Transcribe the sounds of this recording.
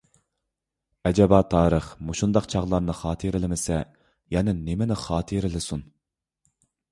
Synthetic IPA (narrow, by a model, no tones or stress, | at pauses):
ɛd͡ʒɛbɑːt̪ʰɑːɾəχmuʃund̪ɑqt͡ʃʰɑʁlˠɑɾnɨχɑːt̪ʰəɾɪlɪmɪsɛ | jɛnɪnemɪnɪχɑːt̪ʰəɾɪlɪsun